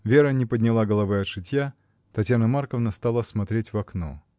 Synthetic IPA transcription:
vʲeɾənʲɪpədʲnʲɪlˠaɡəlˠɐvɨɐt̪ʂɨtʲja | t̪ɐtʲjanəmarkəvnəst̪alˠəsmɐt̪ɾʲetʲvɐkno̰

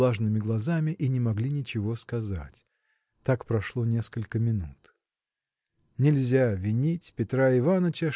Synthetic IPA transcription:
aʐnɨmʲɪɡlˠɐzamʲɪʔinʲɪmɐɡlʲinʲɪt͡ɕɪvo̞skɐza̰tʲ | t̪akpɾɐʂlˠo̞nʲe̞skəlʲkəmʲɪnut̪ | nʲɪlʲzʲavʲɪnʲitʲpʲɪt̪ɾaɪvanət͡ɕə

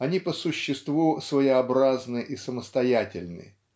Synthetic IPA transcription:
ɐnʲipəsʊɕːɪst̪vusvəɪɐbɾaznɨʔisəməst̪ɐjatʲɪlʲnɨ̰

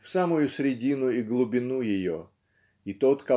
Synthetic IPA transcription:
fsamʊjʊsɾʲɪdʲinʊiɡlˠʊbʲɪnujɪjo | it̪ot̪kɐ

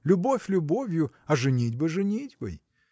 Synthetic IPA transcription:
lʲʊbo̞fʲlʲʊbovʲjʊ | ɐʐɨnʲidʲbɨʐɨnʲitʲbɨ̰j

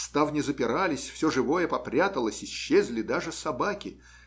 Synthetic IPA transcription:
st̪avnʲɪzəpʲɪɾalʲɪsʲfsʲoʐɨvo̞jəpɐpɾʲat̪əlˠəsʲɪɕːezʲlʲɪd̪aʐɨsɐbakʲɪ

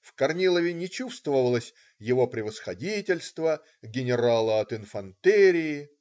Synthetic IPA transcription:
fkɐrnʲilˠəvʲɪnʲɪt͡ɕust̪vəvəlˠəsʲ | jɪvo̞pɾʲɪvəsxɐdʲitʲɪlʲst̪və | ɡʲɪnʲɪɾalˠəɐt̪ɪnfɐnt̪ɛɾʲɪɪ

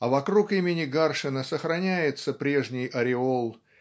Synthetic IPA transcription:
ɐvɐkɾukimʲɪnʲɪɡarʂɨnəsəxɾɐnʲæjɪt̪səpɾʲe̞ʐnʲɪjʔɐɾʲɪolˠ

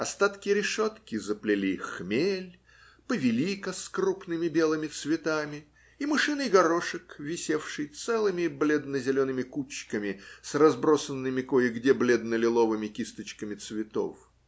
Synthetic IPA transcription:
ɐst̪at̪kʲɪjɾʲɪʂot̪kʲɪzəplʲɪlʲixmʲelʲ | pəvʲɪlʲikəskrupnɨmʲɪbʲe̞lˠɨmʲɪt̪svʲɪt̪amʲɪ | imɨʂɨnɨjɡɐɾoʂɨkvʲɪsʲefʂɨjt̪sɛlˠɨmʲɪblʲed̪nəzʲɪlʲo̞nɨmʲɪkut͡ɕkəmʲɪsrɐzbɾosənːɨmʲɪkojɪɡdʲeblʲed̪nəlʲɪlˠovɨmʲɪkʲist̪ət͡ɕkəmʲɪt̪svʲɪt̪o̰f

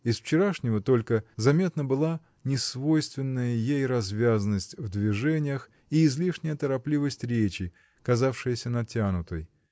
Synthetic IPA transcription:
ɪsft͡ɕɪɾaʂnʲɪvət̪o̞lʲkəzɐmʲe̞t̪nəbɨlˠa | nʲɪsvo̞jst̪vʲɪnːəjəjejrɐzvʲazənəsʲtʲvd̪vʲɪʐɛnʲɪjəx | iːzlʲiʂnʲɪjət̪əɾɐplʲivəsʲtʲɾʲet͡ɕɪ | kɐzafʂɨjəsʲənɐtʲanʊt̪əj

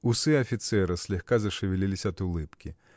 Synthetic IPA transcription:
usɨɐfʲit̪sɛɾɨsʲlʲɛxkazɐʂɨvʲilʲilʲisʲɐt̪ulˠɨpkʲi

